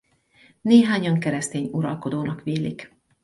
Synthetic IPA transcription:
neːɦaːɲɒŋkɛɾɛst̪eːɲuɾɒlko̞d̪oːnɒkʋeːlik

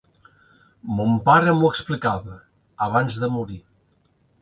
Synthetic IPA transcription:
mumpaɾəmuəksplikaβəː | βanzðəmuɾi

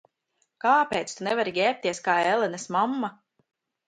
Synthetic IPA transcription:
kaːpʲeːjt̪st̪unɛvaɾiɡʲɛːp̚t̪ʲiɛskaːelɛnɛsmamːa

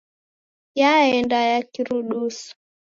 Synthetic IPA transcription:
jaɛndajakiɾuɗusu̥

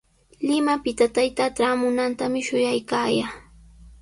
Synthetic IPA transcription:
lɪmapɪt̪at̪ajt̪aʈ͡ʂaːmʊnant̪amɪʃʊjajkaːjaː

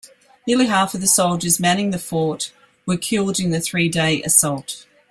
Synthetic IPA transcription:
nɪəlˠiɦæˑfəvðəsʌʊlˠd͡ʒəzmæ̃ñɪ̃ŋðəfɔˑt | wəkʰɪlˠdɪ̃nðɨθɹiːdeɪʔɨsɒlˠt

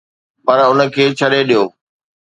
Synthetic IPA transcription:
pɐɾʊnə̆kʰeːt͡ɕʰɐɗeɗijoː

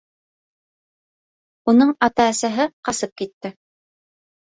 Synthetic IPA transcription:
unɤɴɑt̪ɑːsæɦɘqɑsɤp̚kit̪ːɘ

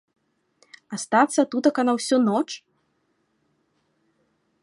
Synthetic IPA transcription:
ast̪at̪sːɐt̪ut̪ɐkɐnawsʲɔnɔt͡ʂ

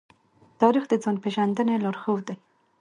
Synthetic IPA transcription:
t̪ɑɾixd̪əd͡zonpeʒand̪əneloɾxowd̪e

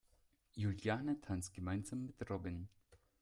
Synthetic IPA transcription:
juljaːnətʰansɡ̥əmaɪnzamːɪtʁɔbɪn

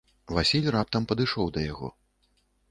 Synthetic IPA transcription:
vasʲilʲrap̚t̪ɐmpɐd̪ɨʂɔwd̪ɐjaɣɔ̰

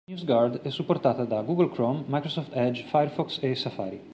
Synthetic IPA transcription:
njusɡaɾd̪ɛsːupːort̪aːt̪ad̪aɡuɡəlkɾɔmːajkɾosɔft̪ɛd͡ʒfajɛɾfɔksesafa̰ːɾi

